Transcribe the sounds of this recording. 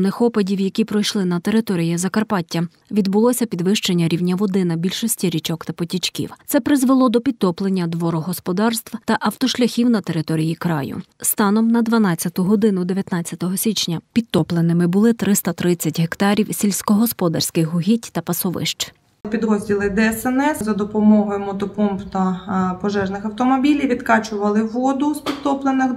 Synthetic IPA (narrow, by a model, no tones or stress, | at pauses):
nɪxɔpɐdʲiwjɐkʲipɾɔjʃlˠɪnɐt̪e̞ɾɪt̪ɔɾʲijɐzɐkɐrpɑtʲːɐ | ʋʲid̪bʊlˠɔsʲɐpʲid̪ʋɪʃt͡ʃe̞nʲːɐɾʲiwnʲɐʋɔd̪ɪnɐbʲilʲʃɔsʲtʲiɾʲit͡ʃɔkt̪ɐpɔtʲit͡ʃkʲḭwt̪sɛpɾɪzʋelˠɔd̪ɔpʲid̪̚t̪ɔplˠenʲːɐd̪ʋɔɾɔɦɔspɔd̪ɑrst̪ʋt̪ɐʔɐwt̪ɔʃlʲɐxʲiwnɐt̪eɾɪt̪ɔɾʲijikɾɑ̰jʊ̰st̪ɑnɔmnɐd̪ʋɐnɑt͡sʲːɐt̪ʊɦɔd̪ɪnʊd̪eʋʲjɐt̪nɑt͡sʲjɐt̪ɔɦɔsʲit͡ʃnʲɐpʲid̪t̪ɔplˠenɪmɪbʊlˠɪt̪ɾɪst̪ɐt̪ɾɪt͡sʲːɐtʲɦekt̪ɑɾʲiwsʲilʲsʲkɔɦɔspɔd̪ɐ̰rsʲkɪxɦʊɦʲitʲt̪ɐpɐsɔʋɪ̰ʃt͡ʃ | pʲid̪ɾɔzʲdʲilˠɪd̪ɛɛsɛnɛszɐd̪ɔpɔmɔɦɔjmɔt̪ɔpɔmpt̪ɐpɔʒɛʒnɪxɐwt̪ɔmɔbʲilʲiʋʲid̪kɑt͡ʃʊʋɐlˠɪʋɔd̪ʊspʲid̪̚t̪ɔplˠenɪx